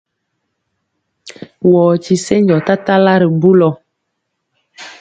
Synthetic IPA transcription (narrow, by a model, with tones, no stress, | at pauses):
wɔː˨t͡ʃi˨se˦ɲd͡ʒɔ˨ta˦ta˦la˦ɾi˨bu˦lɔ˨